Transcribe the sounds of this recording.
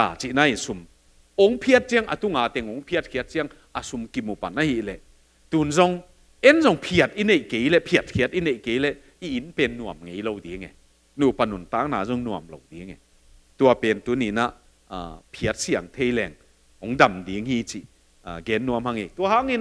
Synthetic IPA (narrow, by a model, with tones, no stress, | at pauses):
aː˨˩t͡ʃi˧˨ʔna˧˦i˨nsu˨m | ɔ˨˦ŋpʰi˧ə˧t̚t͡si˧˥əŋʔɐ̰˨t̪u˧ŋaː˨t̪ɛ˧ŋɔ˨˦ŋpʰi˧˥ə˧t̚kʰi˧ə˦t̚t͡si˧˥ɐŋ | a˨su˧mki˧mːu˨pa˨na˦hi˧˨ʔlɛ˨ʔ | t̪u˨˩nzɔ˧ŋ | ɛ˦nzɔ˧ŋpʰi˧˨ə˨˩t̚i˦ne˨jke˨˦jlɛ˧˨ʔpʰi˧˨ɐ˨˩t̚kʰi˧˨ə˦t̚i˦ne˨jke˨˦jlɛ˧˨ | i˧ʔi˨˦npɛ˧nːu˧˨ɐmŋe˨˦jlo˧wdi˨˦ŋɛ̰˨ | nu˨pa˨nu˨nt̪aː˨˦˥k̚naː˨zu˧˦ŋnu˨ɐmlo˨˧wdi˨˦ŋɛ˨ | t̪u˧ɐ˧pɛ˨nt̪u˨˦ni˨˦na˧˨ʔː | pʰi˧ə˦t̚si˧a˨˩ŋt̪ʰe˧jlɛ˨˩ŋ | hɔ˨˦ŋda˨mdi˨˦ŋhi˧t͡si˧˨ | ɡɛ˨˦nːu˧ɐmha˧˦ŋe˨jt̪u˧ɐha˦ŋi˧n